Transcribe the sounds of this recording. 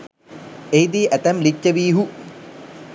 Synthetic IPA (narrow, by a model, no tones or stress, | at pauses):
ejd̪iːʔæt̪æmlit͡ʃːəʋiːɦu